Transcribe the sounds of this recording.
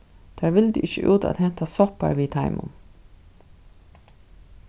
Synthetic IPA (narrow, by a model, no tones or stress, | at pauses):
t̪ʰaːɹʋɪld̪ɪʔɪçəʔuːt̪a̰t̪hɛn̥t̪asɔpa̰ɹʋiːt̪ʰaɪmʊ̰n